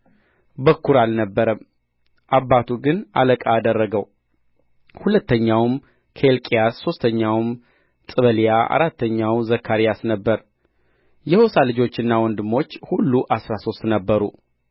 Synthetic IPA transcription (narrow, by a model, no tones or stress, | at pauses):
bəkːuɾalnəbːəɾəm | ʔabːat̪ʰuɡɨnʔa̰ləkʼaːd̪ərːəɡəw | hulət̪ːəɲːawm | kʰelkʼijasːo̞st̪ʰəɲːawm | t̪ʼɨβəlijaʔa̰ɾat̪ːəɲːawzəkʰːaɾijasnəbːəɾ | jɛhosalɨd͡ʒo̞t͡ʃːɪnːawɔnd̪ɨmːo̞t͡ʃːhulːuʔasɾaso̞st̪nəbːəɾu